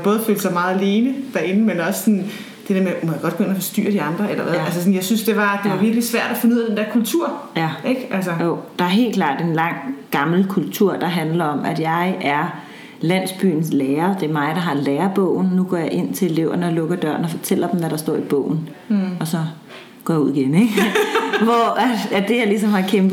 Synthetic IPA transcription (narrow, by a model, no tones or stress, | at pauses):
b̥ɔ̽ːð̞̩ˠføːld̥sɑ̈ɪmɑ̈ːð̩ˠæle̝ːnəd̥æɐe̝nəmenɒ̽sə̥sɒn | d̥e̝d̥eɐmemojaɡ̥ɒd̥̚ɡ̥oɡenɐfɒ̽sd̥y̰ɐ̰ɾ̥iɑ̈nd̥ʁɐelɐʋæðˠælsəsɒn̩jɑ̈ɪsynsd̥e̝ʋɑ̈d̥e̝ʋɑ̈ʋiɐɡ̥lisʋæɐ̰ɾ̥æfenuð̰ˠdend̥eɐ̰kʰult͡sʰuɐ̰jæʔeɡ̥ʔælsəjod̥ɑ̈æɐɦe̝̰ːlkʰlɑ̈ːd̥enlɑ̈ŋ̰ɡ̥ɑ̈ml̩kʰult͡sʰuɐ̰d̥ɑ̈ɦænlɐɒ̽mʔæd̥jɑ̈ɪæɐ | læn̰sb̥y̰ːn̩sleːɐd̥e̝ɐmɑ̈ɪd̥ɑ̈ɦɑ̈leːɐb̥ɔ̰ʊ̰n̩ːuɡ̥ɒ̰ːjɑ̈ʔe̝n̰t͡sʰe̝le̝le̝ʊ̰ɐnəlɔ̽ɡ̥ɐd̥ɶɐ̰nɒ̽fɒ̽t͡sʰel̰ɐd̥m̩ʋæɾ̥ɑ̈sd̥ɔ̰ɐib̥ɔ̰ʊ̰n̩ | ɒ̽sɒ̽ | ɡ̥ɒ̰ːjɑuð̰ˠiɡ̥eneɡ̥ʋɒæ̥æd̥e̝jɑ̈lis̬ɒ̽mhɑ̈kʰemb̥ˠ